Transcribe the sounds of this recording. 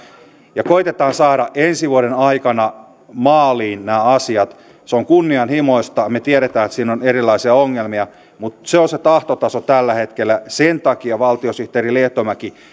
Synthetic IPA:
jɑkoit̪et̪ɑːnsɑːɾɑʔʔensiʋuoɾenɑikɑnɑ | mɑːliːnnæːɑsiɑt̪ | seoŋkunːiɑnhimoist̪ɑmet̪ieɾet̪æːet̪siːnonerilːˑɑisiɑoŋːelmiɑ | mut̪seonset̪ɑht̪ot̪ɑsot̪ælːæhet̪kelːæsent̪ɑkiɑʋɑlt̪iosyht̪eːrileht̪omæki

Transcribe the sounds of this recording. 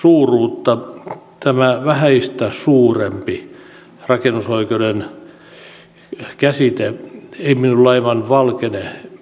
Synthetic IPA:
suːruːt̪ːɑt̪æmæʋæhæist̪æsuːrempi | rɑkenusoikeuden | kæsit̪eeiminulːɑiʋɑnʋɑlkene

